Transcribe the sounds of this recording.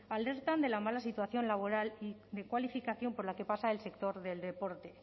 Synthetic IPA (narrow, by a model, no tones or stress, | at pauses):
ale̞ɾt̪and̪e̞lamalasit̪waθjo̞nlaβo̞ɾaliðe̞kwalifikaθjo̞mpo̞ɾlake̞pasaelse̞kt̪o̞ɾðe̞ld̪e̞po̞ɾt̪e̞